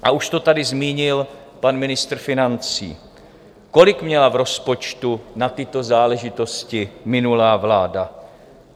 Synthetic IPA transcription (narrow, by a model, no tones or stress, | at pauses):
ʔaʔuʃt̪o̞t̪adɪzmiːɲɪl | panmɪnɪst̪r̩fɪnant͡sḭː | ko̞lɪkmɲɛlavɾo̞spo̞t͡ʃt̪unat̪ɪt̪o̞zaːlɛʒɪt̪o̞scɪmɪnulaːvlaːda